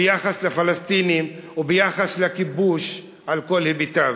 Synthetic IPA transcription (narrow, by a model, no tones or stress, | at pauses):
ejaχaslefalast̪inimubejaχaslekibuʃ | alko̞lhibit̪av